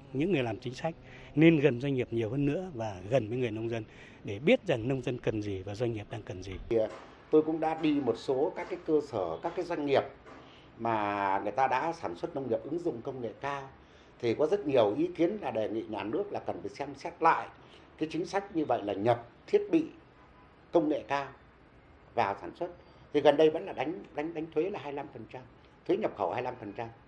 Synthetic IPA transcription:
ɲɨ̰˧˥ŋːɨ˨˩əjlaː˨˩mt͡ɕï˨˦ŋ̟sa˦˥jk̟̚ | ne˧nɣə˨˩nzwa˧ŋ̟ŋi˨˩əp̚ɲi˨˩əwhəː˧nːɨ̰˧˥əvaː˨˩ɣə˨˩nvə˨˦jŋɨ˨˩əjnə˧wŋ͡mzə˧n | ɗe˧˩ɓi˦˥ət̚za˨˩ŋnə˧wŋ͡mzə˧nkə˨˩nzi˨˩vaː˨˩zwa˧ŋ̟ŋːi˨˩əp̚ɗaː˧ŋkə˨˩nzi˨˩ | t̪o˧jkʊ̰˧˥ŋ͡mɗa̰ː˧˥ɗi˧mo˨˩t̚so˨˦kaː˦˥kːaː˨˦jkəː˧səː˧˩kaː˦˥kːaː˨˦jzwa˧jŋ̟ːi˨˩əp̚ | maː˨˩ŋɨ˨˩əjt̪aː˧ɗa̰ː˧˥saː˧˩nswə˦˥t̚nə˧wŋ͡mŋi˨˩əp̚ʔɨ˨˦ŋzʊ̰˧˨ŋ͡mkə˧wŋ͡mŋḛ˧˨kaː˧w | t̪ʰi˨˩kɔ˨˦zə˦˥t̚ɲi˨˩əwʔi˨˦ki˨˦ənlaː˨˩ɗe˨˩ŋḭ˧˨ɲaː˨˩nɨ˦˥ək̚laː˨˩kə˨˩nfi˨˩sɛ˧msɛ˦˥t̚la̰ː˧˨j | kaː˨˦jt͡ɕï˨˦ŋ̟sa˦˥jk̟̚ɲɨ˧və̰˧˨jlaː˨˩ɲə˨˩p̚t̪ʰi˦˥ət̚ɓḭ˧˨ | kə˧wŋ͡mŋḛ˧˨kaː˧w | vaː˨˩saː˧˩nswə˦˥t̚ | t̪ʰi˨˩ɣə˨˩nɗə˧jvə̰˧˥nlaː˨˩ɗa˨˦jŋ̟ɗa˨˦jŋ̟ɗa˨˦jŋ̟t̪ʰwe˨˦laː˨˩ɦaː˧jla˧mfə˨˩nt͡ɕa˧m | t̪ʰwe˨˦ɲə˨˩p̚xə˧˩whaː˧jla˧mfə˨˩nt͡ɕa˧m

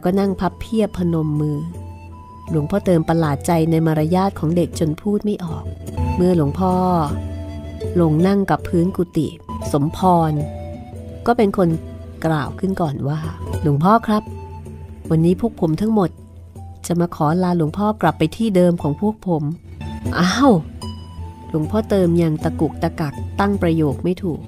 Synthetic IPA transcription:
kɔː˥˩na˥˩ŋpʰa˦˥pʰːi˥˩əpʰːa˧no˧mːɯː˧ | lu˩˦əŋpʰɔː˥˩t̪ɤː˧mpa˧laː˨˩t̪̚t͡ɕa˧jna˧jmaː˧ɾa˧jaː˥˩t̪̚kʰɔː˩˦ŋde˨˩k̚t͡ɕo˧npʰuː˥˩t̪̚ma˥˩jʔɔ̰ː˨˩k̚mɯ˥˧ɐlu˩˦əŋpʰɔː˥˩ | lo˧˩ŋna˥˩ŋka˨˩pʰːɯː˦˥nku˨˩t̪ḭ˨˩so˩˦mpʰɔː˧n | kɔː˥˩pe˧nkʰo˧nklaː˨˩wkʰɯ˥˩nkɔː˨˩nwaː˥˩lu˨˩˦əŋpʰɔː˥˩kʰɾa˦˥p̚ | wa˧nːiː˦˥pʰu˥˩k̚pʰo˩˦mt̪ʰa˦˥ŋmo˨˩t̪̚ | t͡ɕa˨˩maː˧kʰɔː˩˦˧laː˧lu˩˦əŋpʰɔː˥˩kla˨˩pːa˧jt̪ʰiː˥˩dɤː˧mkʰɔː˩˦ŋpʰu˥˩ək̚pʰo˩˦mʔaː˧˥˧w | lu˩˦əŋpʰɔː˥˩t̪ɤː˧mja˧ŋt̪a˧ku˨˩k̚t̪a˧ka˨˩k̚t̪a˥˩ŋpɾa˧joː˨˩k̚ma˥˩jt̪ʰuː˨˩k̚

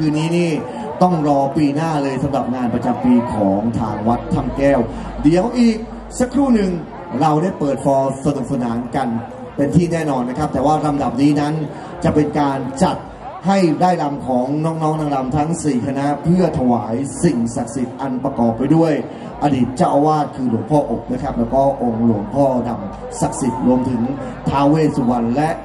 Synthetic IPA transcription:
kʰɯː˧niː˦˥niː˥˩ | t̪ɔ˥˩ŋɾɔː˧piː˧naː˥˩lɤː˧jsa˩˦ɾa˨˩p̚ŋaː˧npɾa˧t͡ɕa˧mpiː˧kʰɔː˩˦ŋt̪ʰaː˧ŋwa˦˥t̪ʰːa˥˩mkɛː˥˩wdi˩˦əwʔiː˨˩k̚ | sa˦˥kʰːɾuː˥˩nɯ˨ŋ | ɾa˧wdaː˥˩jpɤː˨˩t̪̚fɔː˧sa˧nu˨˩k̚sa˧naː˩˦nka˧n | pe˧nt̪ʰiː˥˩nɛː˥˩nɔː˧nːa˦˥kʰa˦˥p̚t̪ɛː˨˩waː˥˩ɾa˧mda˨˩p̚niː˦˥na˦˥n | t͡ɕa˨˩pe˧nkaː˧nt͡ɕa˨˩t̪̚ | ha˥˩jdaː˥˩jla˧mkʰɔː˩˦ŋnɔː˦˥k̚nɔː˦˥ŋnaː˧ŋla˧mt̪ʰa˦˥ŋsiː˨˩kʰa˧na˦˥ʔpʰɯ˥˩ɐt̪ʰa˧waː˩˦jsi˨˩ŋsa˨˩k̚si˨˩t̪̚ʔa˧npɾa˧kɔː˨˩pːa˧jdu˥˩əj | ʔa˧diː˨˩t̪̚t͡ɕaː˥˩wʔa˧waː˥˩t̪̚kʰɯː˧lu˨˩˦əŋpʰɔː˥˩ʔo˨˩k̚na˦˥kʰɾa˦˥p̚lɛː˦˥wkɔː˥˩ʔo˧ŋlu˨˩˦əŋpʰɔː˥˩da˧m | sa˨˩k̚si˨˩t̪̚ɾu˧əmt̪ʰɯ˩˦ŋ | t̪ʰaː˦˥wweː˥˩t̪̚su˨˧˩wa˧nlɛ˦˥ʔ

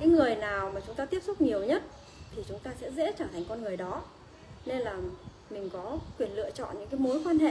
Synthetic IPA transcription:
kaː˨˦jŋɨ˨˩əjnaː˨˩wmaː˨˩t͡ɕʊ˨˦ŋ͡mt̪aː˧t̪i˦˥əp̚sʊ˦˥k͡p̚ɲi˨˩əwɲə˦˥t̚ | t̪ʰi˨˩t͡ɕʊ˨˦ŋ͡mt̪aː˧sɛ̰˧˥zɛ̰˧˥t͡ɕaː˧˩t̪ʰa˨˩ŋ̟kɔ˧nŋɨ˨˩əjɗɔ˨˦ | ne˧nlaː˨˩ | mï˨˩ŋ̟kɔ˨˦kwi˧˩ənlɨ̰˧˨ət͡ɕɔ̰˧˨nɲɨ̰˧˥kaː˨˦jmo˨˦jkwaː˧nɦḛ˧˨

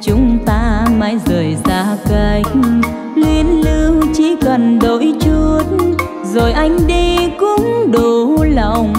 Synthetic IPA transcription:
t͡ɕʊ˨˦ŋ͡mt̪aː˧maː˨˦jzəː˨˩jzaː˧˥kə˧˩jk | lwi˧ənlɨ˧wt͡ɕi˧˥kə˨˩nɗo˧˨˦jt͡ɕu˧˩t̚n | zo˨˩jʔa˧jŋ̟ɗi˧kʊ˧˥ŋ͡mɗo˨˩la˨˩wŋ͡m

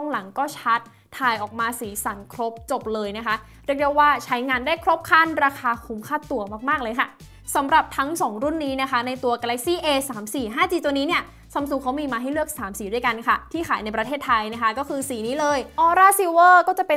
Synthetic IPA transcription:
ɔ˥˩ŋla˨˩˦ŋkɔː˥˩t͡ɕʰa˦˥t̪̚ʰːaː˧jʔɔː˨˩k̚maː˧siː˩˦sa˨˩˦nkʰɾo˦˥p̚t͡ɕo˨˩p̚lɤː˧jna˦˥kʰa˦˥ | ɾɯ˥˩ək̚de˧˥waː˥˩t͡ɕʰa˦˥jŋaː˧nda˥˩jkʰɾo˦˥p̚kʰa˥˩nɾaː˧kʰaː˧kʰu˩˦mkʰaː˥˩t̪u˨˧˩ɐmaː˥˩k̚maː˥˩k̚lɤː˧jkʰa˥˩ | sa˩˦mɾa˨˩p̚t̪ʰa˦˥ŋsɔː˩˦ŋɾu˥˩nːiː˦˥na˦˥kʰa˦˥na˧jt̪u˧ɐkaː˧lɛ˦˥k̚siː˥˩ʔeː˧saː˩˦msiː˨˩ɦaː˥˩t͡ɕiː˧˩t̪u˧niː˦˥ni˥˩ə | sa˨˦msu˨˩kʰa˦˥wmiː˧maː˧ɦa˥˩jlɯ˥˩ək̚saː˩˦msiː˩˦du˥˩jka˧nkʰa˥˩t̪ʰiː˥˩kʰaː˩˦jna˧jpɾa˧t̪ʰeː˥˩t̪ʰːa˧jna˦˥kʰa˦˥kɔː˥˩kʰɯː˧siː˩˦niː˦˥lɤː˧jʔɔː˧ɾaː˥˩si˨˧wɤː˥˩kɔː˥˩t͡ɕa˨˩pe˧

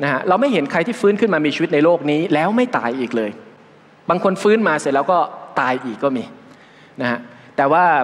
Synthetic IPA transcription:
na˦˥kʰa˦˥ʔɾa˧wma˥˩jɦe˩˦nkʰa˧jt̪ʰiː˥˩fɯː˦˥nkʰɯ˥˩nmaː˧miː˧t͡ɕʰi˧˦t̪̚na˧jloː˥˩k̚niː˦˥lɛː˦˥wma˥˩jt̪a̰ː˧jʔiː˨˩k̚lɤː˧j | baː˧ŋkʰo˧nfɯː˦˥nmaː˧se˨˩t̚lɛː˦˥wkɔː˥˩t̪aː˧jʔiː˨˩kːɔː˥˩miː˧ | na˦˥ha˦˥ʔt̪ɛː˨˩waː˥˩

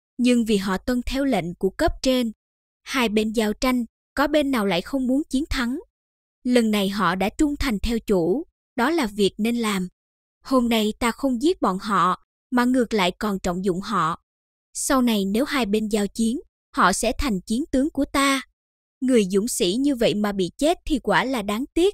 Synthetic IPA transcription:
ɲɨ˧ŋvi˨˩ɦɔ̰˧˨t̪wə˧nt̪ʰɛ˧wlḛ˧˨ŋ̟ku˧˩əkə˦˥p̚t͡ɕe˧n | haː˧jɓe˧nzaː˧˩wt͡ɕa˧jŋ̟ | kɔ˨˦ɓe˧nːaː˨˩wla̰ː˧˨jxə˧wŋ͡mmu˨˦ənt͡ɕi˨˦ənt̪ʰa˨˦ŋ | lə˨˩nːa˨˩jɦɔ̰˧˨ɗa̰ː˧˥t͡ɕʊ˧ŋ͡mt̪ʰa˨˩jŋ̟t̪ʰɛ˧wt͡ɕu˧˩ | ɗɔ˨˦laː˨˩vi˨˩ək̚ne˧nlaː˨˩m | ho˧mna˧jt̪aː˧xə˧wŋ͡mzi˦˥ət̚ɓɔ̰˧˨nɦɔ̰˧˨ | maː˨˩ŋɨ˨˩ək̚la̰ː˧˨jkɔ˨˩nt͡ɕɔ̰˧˨wŋ͡mzʊ̰˧˨ŋ͡mɦɔ̰˧˨ | sa˧wna˨˩jne˨˦wɦaː˧jɓe˧nzaː˧wt͡ɕi˨˦ən | hɔ̰˧˨sɛ̰˧˥t̪ʰa˨˩jŋ̟t͡ɕi˨˦ənt̪ɨ˨˦əŋku˧˩ət̪aː˧ | ŋɨ˨˩əjzʊ̰˧˩ŋ͡msḭ˧˥ɲɨ˧və̰˧˨jmaː˨˩ɓḭ˧˨t͡ɕe˦˥t̚t̪ʰi˨˩kwaː˧˩laː˨˩ɗaː˨˦ŋt̪i˦˥ət̚

